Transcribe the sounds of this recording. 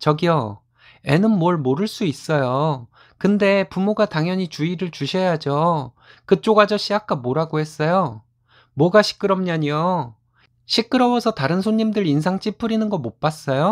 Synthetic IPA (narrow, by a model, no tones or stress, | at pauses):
t͡ɕʌɡiʌ | e̞nɯnmwʌɭmoɾɯɭs͈uis͈ʌjo | kɯnde̞pumoɡataŋjʌɲit͡ɕuiɾɯɭt͡ɕuɕʰʌjad͡ʑo | kɯt͡ɕ͈oɡad͡ʑʌɕʰijak͈amoɾaɡohe̞s͈ʌjo | mwʌɡaɕʰi̥k͈ɯɾʌmɲaɲio | ɕʰik͈ɯɾʌwʌsʰʌtaɾɯnsʰoɲːimdɯɾinsʰaŋt͡ɕ͈ipʰɯɾinɯnɡʌmop͈as͈ʌjo